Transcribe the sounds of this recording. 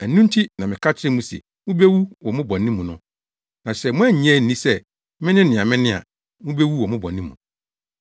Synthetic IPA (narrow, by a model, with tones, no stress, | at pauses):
æ˨˦nũ˦n˦tʰi˦nã˨mɪ̃˨kʰa˦t͡ɕʰɪ˦ɪ̃˦mũ˦sɛ̰˨ | mʊ̃˦be˦wu˦wɔ˨mʊ̃˦bɔ̃˨nːĩ˦mũ˨nʊ̰̃˦ | nã˨sɛ˨mʊ̃˦æ˦˨ɲĩ˦ɛ˦˨n̩˨nĩ˦sɛ˦ | mɪ̃˦nɪ̃˦nɪ̃˨ã˨mɪ̃˦nɪ̃˦a̰˨ | mʊ̃˦be˦wu˦wɔ˨mʊ̃˦bɔ̰˨nːĩ˦mũ˨